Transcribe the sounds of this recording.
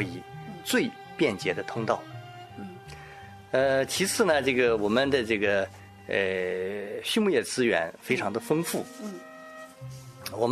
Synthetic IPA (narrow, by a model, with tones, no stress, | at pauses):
i˨˩˦t͡swe˥˧ɪ | pjɛ˥˩nt͡ɕjɛ˧˥d̪ə˧t̪ʰʊ˥ŋt̪ɑ˥˩ʊ | m̩˥˩ | ə˧t͡ɕʰi˧˥t͡sʰɹ̩˥˩nə˩ʈ͡ʂɤ˥˩ɡə˩wɔ˨˩mə˦nd̪ə˨ʈ͡ʂɤ˥˩ɡə˩ | ə˧˩ | ɕy˥˧mu˥˧jɛ˥˩t͡sɹ̩˥ɥɛ̰˧˥nfe˥ɪʈ͡ʂʰɑ˧˥ŋd̪ə˧fɤ˥ŋfu˥˩ | wɔ˨˩m